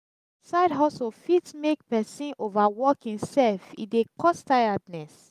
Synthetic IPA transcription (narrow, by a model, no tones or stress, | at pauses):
saɪdɦɔsofitmek̚pɛsĩnʔovawɔkĩnsɛlfḭdekɔstajadnɛs